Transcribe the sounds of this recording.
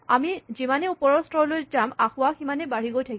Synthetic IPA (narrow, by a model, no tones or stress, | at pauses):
amizimanɛupɔɹɔstɔlojzamaxʊwaximanɛbaɹ̤iɡojtʰaki